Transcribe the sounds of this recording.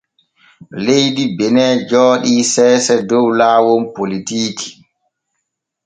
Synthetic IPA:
lejdibɛnɛːd͡ʒɔːɗiːsɛːsɛdɔwlaːwɔnpolitiːtʰi̥

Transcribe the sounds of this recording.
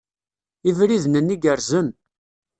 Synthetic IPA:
ivɾiðnənːiɡəɾzən

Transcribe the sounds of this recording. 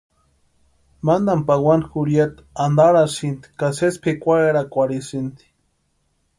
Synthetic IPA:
mand̪ampawanxuɾjat̪ | and̪aɾasint̪i̥kasespʰekʷaeɾakʷaɽisint̪i̥

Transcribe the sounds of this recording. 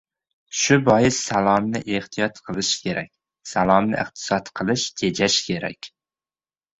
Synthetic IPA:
ʃʊbɒjɪsːalˠɒmnɪʔeht̪ʰijɒt̪qʰɨlˠɪʃkʲʰeɾɛ̰k̚ʲ | salˠɒmnɪ̰ʔɨ̰χt̪ʰɨ̥sɒt̪qʰɨlˠɪʃt̪ʰed͡ʒaʃkʲʰeɾɛ̰kʲ

